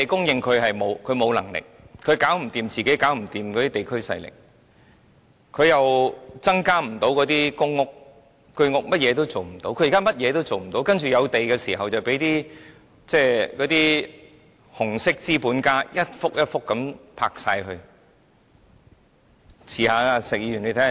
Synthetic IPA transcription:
t̪e˨jkʊ˥ŋjɪ˧ŋkʰɵ˨˧ɥhɐ˨jmo˨˧wkʰɵ˨˧ɥmo˨˧wlɐ˨˩ŋlɪ̰˨k̚kʰɵ˨˧ɥkaː˨˥wm̩˨˩t̪iː˨mt͡siː˨ke˨˥kaː˨˥wm̩˨˩t̪iː˨˩mkɔː˨˧t̪iː˥t̪e˨jkʰɵ˥ɥsɐ̰˧jlɪ̰˨k̚ | kʰːɵ˨˧ɥjɐ˨wt͡sɐ˥ŋkaː˥m̩˨˩t̪o˨˥wkɔː˨˥t̪iː˥kʊ˥ŋːʊ˥k̚ː | ɵ˥˧ɥŋʊ˥k̚mɐ˥t̚jɛː˨˧t̪o˥wt͡so˨wm̩˨˩t̪o˨˥wkʰɵ˧ji˨˩ka˥mɐ˥t̚jɛː˨˧t̪o˥wt͡so˨wm̩˨˩t̪o˨˥wkɐ˥nt͡ʃyː˨˩jɐ˨˧wt̪e˨jkɛː˧siː˨˩ɦɐ˨wt͡sɐ˨wpe˨˥jt̪iː˥ | t͡sɛː˥kɔ˨˧˥t̪iː˥ | hʊ˨˩ŋsɪ˥k̚t͡siː˥puː˨˥nkaː˥jɐ˥t̚fʊ˥k̚jɐ˥t̚fʊ˥kːɐ˨˥mpʰa̰ː˧k̚saː˧jhɵ˧ɥ | t͡sʰiː˨˩haː˨˧aː˧sɪ˨k̚jiː˧ɥy˨˩nle˧jt̪ʰɛː˧˥

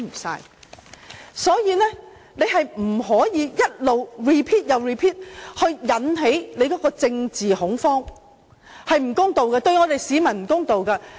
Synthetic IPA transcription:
m̩˨˩sa̰ː˧j | sɔː˨˥jiː˨˧nɛː˥ | ne˨˧jɦɐ˨jm̩˨˩ɦɔː˨˥jiː˨˧jɐ˥t̚lo˨˩wɹiː˨pʰiː˥t̚jɐ˨wɹiː˨pʰiː˥t̚hɵ˧ɥjɐ˨˥nɦe˨˥jne˨˧jkɔː˨˥kɔː˧t͡sɪ˧ŋt͡siː˨hʊ˨˥ŋfɔː˥ŋ | hɐ˨jm̩˨˩kʊ˥ŋt̪o˨wkɐ˧t̪ɵ˧ɥŋɔː˨˧t̪e˨jsiː˨˥mɐ˨˩nm̩˨˩kʊ˥ŋt̪o˨wkɐ˧

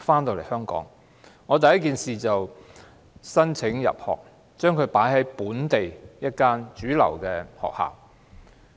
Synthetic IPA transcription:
faː˥nt̪o˨˧wle˨˩jhœː˥ŋkɔ̰ː˨˥ŋ | ŋɔː˨˧t̪̬ɐ˨jːɐ˥tkiː˨nsiː˨t͡sɐ˨w | sɐ˥nt͡sʰɪ˨˥ŋjɐ̰˨p̚hɔ̰ː˨k̚ | t͡ʃœː˥ŋkʰɵ˨˧ɥpaː˨˥jɦɐ˨˥jpuː˨˥nt̪e˨jjɐ˥t̚kaː˥nt͡ʃyː˨˥lɐ̰˨˩wkɛː˧hɔ̰ː˨k̚ha̰ː˨˩w

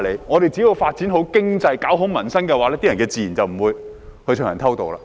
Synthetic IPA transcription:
le˨˧jŋɔː˨˧ɾe˨jt͡si˨˥jo˨˧wfaː˧t̚t͡siː˨˥nɦo˨˧˥wkɪ˥ŋt͡sɐ˧jkaː˨˥wɦo˨˥wmɐ˨˩nsɐ˥nkɛː˧waː˨˥lɛː˥t̪iː˥jɐ˨nkɛː˧t͡siː˨ji˨˩nt͡sɐ˨wm̩˨˩wuː˨˧j | hɵ˧t͡ʃʰːŋjɐ˨˩t̪ʰɐ˥wt̪o˨wla̰ː˧˥

